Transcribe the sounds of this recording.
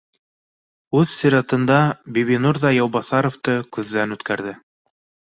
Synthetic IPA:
ʉðsʲiɾɑt̪ɤ̆nd̪ɑbiβinuɾðɑjɑwβɑθɑɾŏft̪ɤkʉðːænʉt̪kæɾðɘ

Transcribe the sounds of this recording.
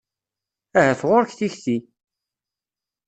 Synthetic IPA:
æhæfʁʊɾçθiçθi

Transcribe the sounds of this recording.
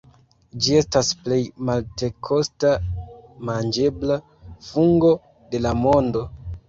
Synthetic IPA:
d͡ʒie̞stasple̞jmalte̞kʰo̞stamand͡ʒe̞bla | fuŋɡo̞ | de̞lamo̞ndo̞

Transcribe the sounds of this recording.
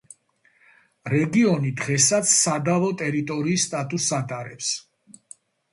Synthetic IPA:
ɾɛɡiɔnid̪ʁɛsat̪sʰsad̪avɔt̪ʼɛɾit̪ʼɔɾiːst̪ʼat̪ʼusat̪ʼaɾɛps

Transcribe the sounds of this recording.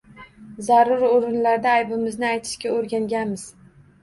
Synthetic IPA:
zaɾʊɾoɾɪnlaɾd̪aːjbɪmɪznɪajt̪ʰɪ̥ʃkʲaoɾɡʲaŋɡʲanmɪz̥

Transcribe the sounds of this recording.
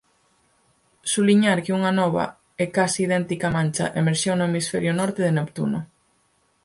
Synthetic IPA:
suβliɲaɾkeuŋanɔβ̞ɐ̰ | ɛkasiːð̞ɛnt̪ikamãnʲt͡ʃa̰ʔemeɾʃewnʊemisfɛɾjʊnɔɾt̪eðenopt̪ṵnʊ

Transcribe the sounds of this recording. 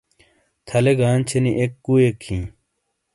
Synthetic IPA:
t̪ʰɐleɡaːnt͡ɕʰeniʔekːuekʰːĩː

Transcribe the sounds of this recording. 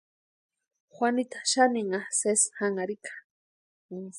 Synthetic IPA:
xʷanit̪ḁʃaniŋaseshaŋaɾikḁ

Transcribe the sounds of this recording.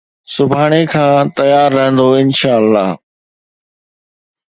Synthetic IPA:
sʊbʱaːɽ̃ekʰãːt̪ɐjaːɾːɐɦə̃nd̪oɪnʃaːəlːaː

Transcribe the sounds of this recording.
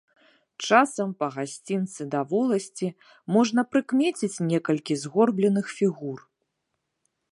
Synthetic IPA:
t͡ʂasɐmpɐɣasʲt͡sʲint̪sɨd̪avɔlˠɐsʲt͡sʲi | mɔʐnɐpɾɨkmʲet͡sʲit͡sʲnʲɛkɐlʲkʲizɣɔrblʲɛnɨxfʲiɣur

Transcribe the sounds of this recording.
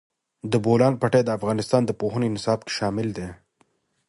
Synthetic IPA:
d̪əbolɑnpaʈed̪əafɣɑnɪst̪ɑːnd̪əpoɦənenɪsɑːbke̥ʃɑmɪld̪e

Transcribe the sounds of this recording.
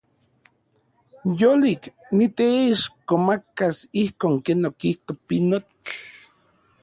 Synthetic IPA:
jolik | nit̪eiʃkomakasihkoːŋkenokiht̪opinott͡ɬ

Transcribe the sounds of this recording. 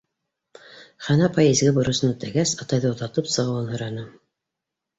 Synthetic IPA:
χɑnɑpɑjezɡɘbŏɾɤ̆sɤ̆nɵt̪æɡæsɑt̪ɑjðɤw̆t̪ɑt̪ɤpsɤ̆ʁɤ̆wɤnhɤ̆jɾɑnɤ

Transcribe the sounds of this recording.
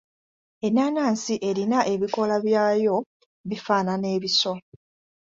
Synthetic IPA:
e̞nːaːnaːnsiʔe̞ɾinaʔe̞βiko̞laβjaːjo̞ | βifaːnane̞ːβiso̞

